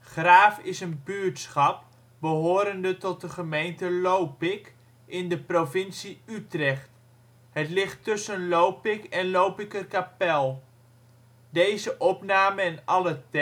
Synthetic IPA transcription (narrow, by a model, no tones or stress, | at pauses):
χraːfɪsənbyɹtsχɑp̚ | bəɦoːɾəndətɔt̚dəχəmejntəlowpɪk | ʔɪndəprovɪnsiytrɛχt | ɦətlɪχtːɵsənlowpɪkɛnlowpɪkərkapɛlˠ | dejzəʔɔpnaːməɛnɑlət